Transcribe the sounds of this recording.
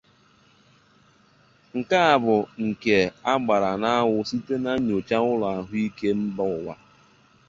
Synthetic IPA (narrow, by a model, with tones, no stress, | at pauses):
ŋ̩˨ka˦a˨bʊ˨ŋ̩˨ke˨a˦ɡ͡ba˨ɾa˨na˦a˦wʊ˦si˦te˦na˦ɲo˨t͡ʃa˦ʊ˦lʊ˨a˨ɦʊ˦i˦ke˦m̩˦bɔ˦ʊ˨wa˦